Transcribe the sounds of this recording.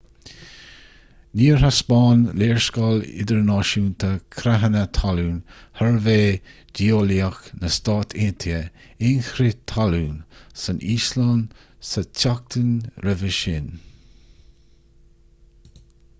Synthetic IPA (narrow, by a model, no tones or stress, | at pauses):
niːɹhaspɑːnleːɹskɑːlɪ̰d̪əɹnɑːʃuːnt̪ʰəkʰɾaɦənət̪ʰaluːnhəɹveː | d̥ioːliəxnəst̪ɑːt̪ʰɪnt̪ʰjəɪnxɾɪt̪ʰaluːnsəniːslan | sətʰak̚t̪ʰənɾəvəʃɪn